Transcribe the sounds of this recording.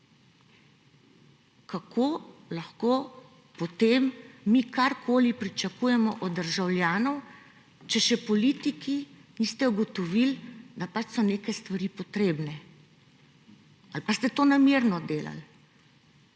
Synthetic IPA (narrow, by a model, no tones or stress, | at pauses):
kakʰoːlaxko | pɔt̪eːmːikaɾkʰoːlipɾit͡ʃakuːjɛmɔʔɔd̪d̪ːəɾʒawlʲjaːnɔw | t͡ʃɛʃɛpɔliːt̪ikinist̪ɛuɡɔt̪ɔʋild̪apat͡ʃsɔneːkajst̪ʋaɾiːpɔt̪ɾeːbnɛ | alpast̪ɛt̪oːnamiːɾnɔd̪eːla̰l